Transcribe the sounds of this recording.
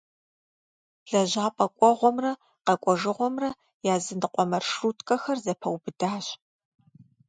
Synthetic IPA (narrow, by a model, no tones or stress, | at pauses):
ɮɐʑaːpʼɐkʷʼɔʁʷɔmrɐ | qɐkʷʼɔʒɨʁʷɔmrɐ | jaːzɨndɨqʷɔmɐrʂuːtʰkʼɐxɐrzɐpʰɐwbɨdaːɕ